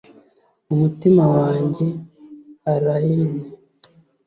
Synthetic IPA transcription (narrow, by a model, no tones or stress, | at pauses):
umutimawaːɲɟe̞ | aɾajine